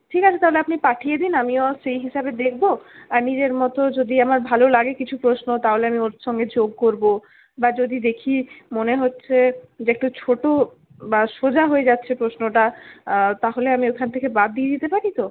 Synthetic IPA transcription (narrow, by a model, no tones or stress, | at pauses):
ʈʰikat͡ɕʰet̪aɦoleapnipaʈʰijed̪inamioʃejɦiʃabed̪ek̚ʰboaɾnid͡ʑeɾmɔt̪od͡ʑod̪iamaɾbʱalolaɡekit͡ɕʰupɾosnot̪aɦoleamioʃɔŋɡed͡ʑoɡ̚koɾbo | bad͡ʑod̪id̪ekʰimoneɦotːɕʰed͡ʑeek̚ʈut͡ɕʰoʈo | baʃod͡ʑaɦoed͡ʑatːɕʰepɾosnoʈa | t̪aɦoleamiokʰant̪ʰekebad̪̚ːied̪it̪epaɾit̪o